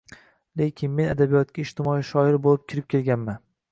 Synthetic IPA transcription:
le̞kʲʰɪnme̞nad̪abijɒt̪̚kʲaɪʃt̪ɪmɒiʃɒɪɾbolˠɪp̚kʲʰɪɾɪp̚kʲʰe̞lɡʲanman

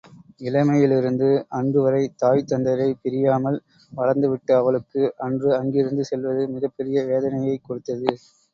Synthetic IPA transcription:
ɪlɐmɐjɪlɪɾɯnd̪ɯʔɐndrɯʋɐɾɐɪt̪aːʋɪt̪ːɐnd̪ɐɾɐɪpɛɾɪjaːmɐl | ʋɐɻɐɾnd̪ɯʋɪʈːɯɐʋɐɭɯkːɯʔɐndrɯɐŋɡɪɾɯnd̪ɯsɛlʋɐðɯmɪɣɐpːɛɾɪjɐʋeːðɐnɐjɐɪkːɔɽɯt̪ːɐðɯ

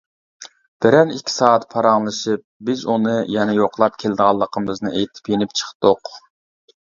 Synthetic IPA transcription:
b̥ɪɾɛnikʲʰːi̥sɑːɑt̪pʰɑɾɑŋlˠɨʃɨp̚bɪzunɨjɛnɛjoqʰlˠɑpkʲʰeld̪əʁɑlˠːəqʰəmɨznɨʔejt̪ʰɪ̥pjenɪp̚t͡ʃʰə̥χt̪oq

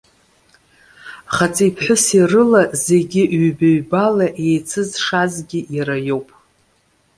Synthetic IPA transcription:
χat͡sʼijpʰħʷᶣʊsirɨlaze̞ɡʲɪʔɥbaɥbalaʔejt͡sʰɨzʂazɡʲɪjaɾajo̞wpʼ

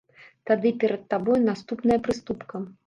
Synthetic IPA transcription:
t̪ad̪ɨpʲɛɾɐt̪ːabɔjnast̪upnɐjɐpɾɨst̪upkɐ

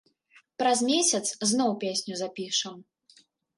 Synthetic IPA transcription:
pɾɐzmʲesʲɐt̪sznɔwpʲesʲnʲuzapʲiʂɐm

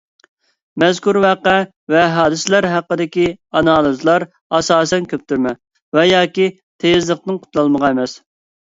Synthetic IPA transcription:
mɛzkuɾvæqɛ | vɛɦɑːd̪ɨslæɾɦæqːəd̪ɪkʲiɑnɑːlˠɨzlˠɑɾ | ɑsɑːsɛnkʲʰøp̚t̪ʰyɾmɛ | vɛjɑːkʲi | t̪ʰezlˠəqt̪ɨnqʰʊ̥t̪lˠɑlˠməʁɑemɛs

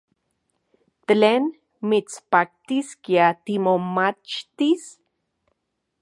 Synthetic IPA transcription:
t̪leːn | mit͡spak̚t̪iskiat̪imomat͡ʃt̪is

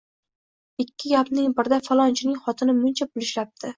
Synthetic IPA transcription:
ɪkʲʰːɪɡʲapnɪŋbɪɾɪd̪afalˠɒnt͡ʃʰɪnɪŋχɒt̪ʰɪnɪmʊnt͡ʃʰabʊlˠɪʃlap̚t̪ʰɪ

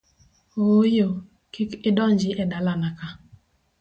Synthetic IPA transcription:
ojo | kɪkɪdɔnd͡ʒɪʔɛdalanaka

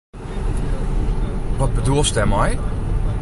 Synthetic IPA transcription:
ʋɔt̚bədulˠstɛmɔj

